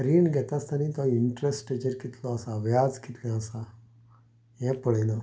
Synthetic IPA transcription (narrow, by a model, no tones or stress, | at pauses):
ɾiːɳɡʱɛt̪ast̪añit̪ɔiɳʈɾesʈed͡ʑəɾkit̪lɔəsaʋjad͡zkit̪lɛ̃əsa | jɛ̃pəɭelə